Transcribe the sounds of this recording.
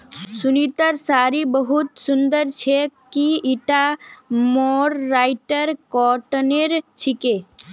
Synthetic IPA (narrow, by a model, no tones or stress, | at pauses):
sunit̪əɾsaːɾibəɦut̪sund̪əɾt͡ʃʰekiiʈamɔɾːaɪʈəɾkɔʈneɾt͡ʃʰike